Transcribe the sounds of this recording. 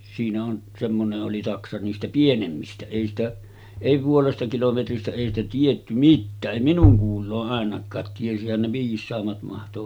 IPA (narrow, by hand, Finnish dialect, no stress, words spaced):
siːnæ on semːoneʔ ʔoli tɑksɑ niːstæ pienemːistæ eˑi stæ eˑi puolestɑ kilometristæ eˑi stæ tietːy mitːæːʔ ʔeˑi minuŋ kuːlˑoːʔ ʔɑˑenɑkˑɑːt tiesihæn ne ʋiːsˑɑːmːɑt mɑhto